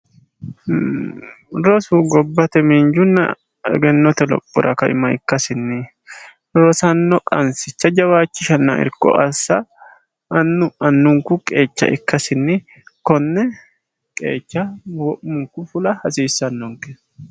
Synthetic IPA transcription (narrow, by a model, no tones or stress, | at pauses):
ɾɔsuɡɔbːɐt̪ɛmend͡ʒʊnːɐ̰ | ɛ̰ɡɛnːɔt̪ɛlɔ̰pʼːʊ̰ɾʔɐ̰kɐʔɪ̰mɐɪ̰kːɐsɪnːɪ | ɾɔsɐnːɔkʼɐnsɪt͡ʃːɐd͡ʒɐwaːt͡ʃːɪʃɐnːa̰ɪ̰ɾkʼːɔ̰ʔɐsːɐː | nːʊɐnːʊŋkʊkʼe̞ːt͡ʃːɐ̰ʔɪkːɐsɪnːɪ | kɔnːɛ | kʼe̞̰ːt͡ʃːɐwɔʔmʊŋkʊfʊlɐhɐsiːsːɐnːɔŋkɛ